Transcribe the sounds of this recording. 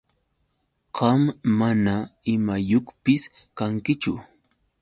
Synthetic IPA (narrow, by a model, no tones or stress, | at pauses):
qɑmːanaɪmajoχpɪs | kaŋkɪt͡ʃʊ̰